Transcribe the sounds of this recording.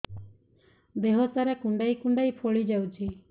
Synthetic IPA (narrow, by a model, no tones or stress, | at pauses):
b̪eɦosaɾɛkũɳɖaikũɳɖaipʰoɭid͡ʒɛwt͡ʃʰi